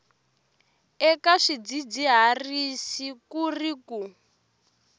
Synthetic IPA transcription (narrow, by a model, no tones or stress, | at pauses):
ɛkaʂid͡zid͡ziɦarisikuriku